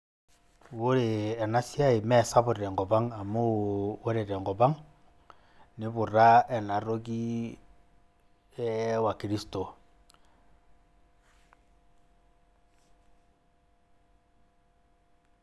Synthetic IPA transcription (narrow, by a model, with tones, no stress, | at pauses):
wo˦ɾeː˨na˦si˦a˦i˨mɛ˦˨sa˦bu˨ɾɾɛ˨ŋɡɔ˨ba˦ŋa˨mu˦wo˦ɾe˨ɾɛ˨ŋɡɔ˨ba˦ŋ | ni˦βu˨ɾa˦ɛ˨na˨ɾo˦ɡi˦ | ɛ˦wa˨ki˨ɾi˦sto˨